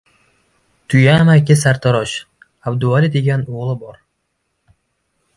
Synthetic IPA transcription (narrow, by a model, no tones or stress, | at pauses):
t̪ʰʊjamakʲɪsaɾt̪ʰɒɾɒʃ | abd̪ʊaɾid̪eɡʲanoʁlˠɪbɒɾ